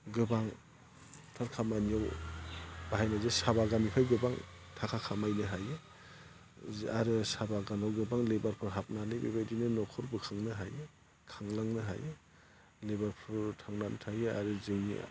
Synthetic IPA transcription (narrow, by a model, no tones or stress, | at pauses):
ɡɯbaŋ | tʰaɾkʰamanijaw | b̥aɦajnazesabaɡanipʰajɡɯbaŋ | tʰakʰakʰamajnɯɦajɯ | aɾɯsabaɡanawɡɯbaŋlebaɾpʰɯɾɦap̚nanɯjbḛbajdinɯnɔkʰɔɾbɯkʰaŋnɯɦajɯ | kʰaŋlaŋnɯɦa̰jɯ | lebaɾpʰɯɾtʰaŋnantʰajɯa̰ɾɯzɯŋḭ